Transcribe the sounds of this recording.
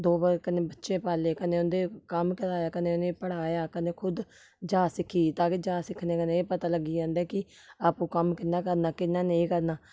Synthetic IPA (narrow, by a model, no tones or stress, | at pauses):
d̪oːbəɾkəneːbətːʃeːpaːleːkəneːʊnd̪eːkəmkəɾaːjaːkəneːʊneːpəɽ̤aːjaːkəneːkʰʊd̪ | d͡ʒaːsɪkʰiːt̪ãːkɪd͡ʒaːsɪkʰneːkəneːeːpət̪aːləɡiːd͡ʒãːnd̪ɛːkɪ | aːpũːkəmkɪnːaːkəɾnaːkɪnːaːneːkəɾnaː